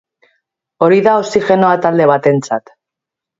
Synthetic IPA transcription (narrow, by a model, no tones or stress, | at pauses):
o̞ɾiðao̞siʝe̞no̞at̪ald̪e̞β̞at̪e̞nt͡sat̪